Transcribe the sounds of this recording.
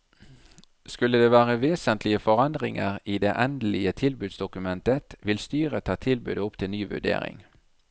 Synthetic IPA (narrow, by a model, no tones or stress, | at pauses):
skʉləd̪eːʋæːʁəʋeːsənt̪lɪəfɔʁɑnd̪ʁɪ̰ŋəʁiːd̪eːʔɛnd̪əlɪət̪ʰɪlbʉːd̪sd̪ʊkʉmɛnt̪ət̪ʋɪlst̪yːʁət̪ʰɑːt̪ʰɪlbʉ̰ːd̪əʊpt̪ʰɪlnyːʋʉ̰ɖḛːʁɪ̰ŋ